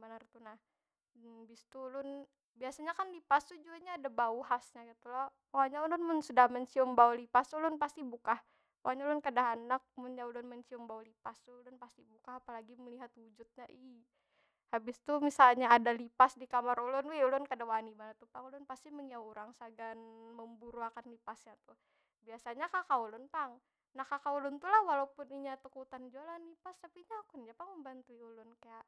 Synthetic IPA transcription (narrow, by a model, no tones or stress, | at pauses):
banərt̪unah | bɪst̪ulʊn | biasaɲakanlipast̪ud͡ʒuaɲaːdabauɦasɲaɡit̪ulɔhpawaɲaulʊnmʊnsudahməɲt͡ʃiʊmbaulipasulʊnpast̪ibukah | paaɲalʊnkadaɦanak̚munɲaulʊnməɲt͡ʃiʊmbaulipasulʊnpast̪ibukaapalaɡiməliɦat̪wud͡ʒut̪̚ɲaʔi | habɪst̪umisalɲaːdalipasdikamaɾulʊnweulʊnkadawanimanat̪upaŋulʊnpast̪iməŋiauɾaŋsaɡanməmbuɾuakanlipasɲat̪u | biasaɲakakaulʊnpaŋ | nahkakaulʊnt̪ulahwalaupʊniɲat̪əkut̪and͡ʒualanlipast̪apiɲaːkunɲapaŋməmbant̪uiulʊnkajaʔ